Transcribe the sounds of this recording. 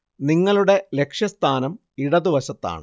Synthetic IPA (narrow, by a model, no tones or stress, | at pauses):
niŋːɐɭuɽe̞le̞kʂjɐst̪ʰaːnɐm | iɽɐðuʋɐɕɐt̪ːa̰ːɳɨ